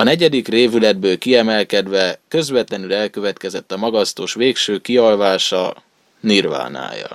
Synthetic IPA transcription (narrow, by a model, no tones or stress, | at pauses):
ɒnɛɟɛd̪ikreːvylɛd̪̚bøːlkiɛmɛlkɛd̪ʋɛkø̞zvɛt̪lɛnylɛlkø̞vɛt̪kɛzɛt̪ːɒmɒɡɒst̪oːʃʋeːkʃøːkiɒlvaːʃɒ̰ | nirva̰ːna̰ːjɒ̰